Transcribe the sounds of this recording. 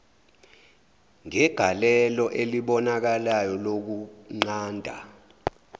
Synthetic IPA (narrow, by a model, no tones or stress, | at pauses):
ŋɛɡ̥ʱalɛlɔʔeliɓɔnak̬alajɔlok̬uŋ͡ǀaːndʱa̰